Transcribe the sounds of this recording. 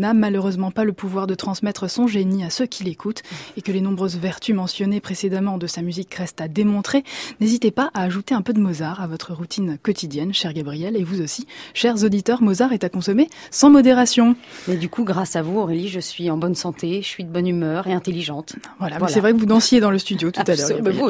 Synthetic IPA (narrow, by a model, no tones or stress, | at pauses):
namaløʁøzmɑ̃paləpuvwaʁd̪ət̪χɑ̃smɛt̪χəsɔ̃ʒeniasøkʲʰilekʰut̪ekəlenɔ̃bʁøzvɛʁt̪ʰymɑ̃sjɔnepχesed̪amɑ̃d̪əsamyzikʁɛst̪ad̪emɔ̃t̪χenezit̪epaʔaːʒut̪eɛ̃pød̪əmɔzaʁavɔt̪χəʁut̪ʰinkɔt̪id̪jɛnʃɛʁɡabʁijɛlevuzosiʃɛʁzod̪it̪œʁmɔzaʁɛt̪akɔ̃sɔme | sɑ̃mɔd̪eʁasjɔ̃mɛd̪ykʰuɡʁasavuɔʁeliʒəsɥiɑ̃bɔnsɑ̃t̪ʰesəsɥid̪əbɔnymœːʁeɛ̃t̪eliʒɑ̃t̪vwalamvɛssɛvʁɛkəvud̪ɑ̃sjed̪ɑ̃ləst̪yd̪jot̪ut̪alœʁɡɡabi